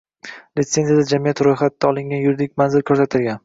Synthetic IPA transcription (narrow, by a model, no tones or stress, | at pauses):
lɪt̪se̞nzijad̪ad͡ʒamijat̪ɾojχat̪ːaɒlˠɪŋɡʲanjʊɾd̪ɪkʲmanzɪlkʰɵɾsat̪ʰɪlɡʲan